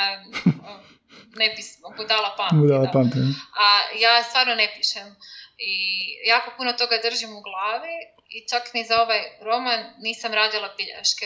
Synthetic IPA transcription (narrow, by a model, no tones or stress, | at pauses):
nebismood̪alˠapamd̪alˠapamt̪eajaːst̪vʋaːɾnonepiʃemijaːko̞punot̪o̞ɡad̪r̩ʒimuɡlˠaːʋi | it͡ʃaknizao̞ʋajɾo̞manːiːsamɾaːd͡ʑalˠapiʎa̰ʃke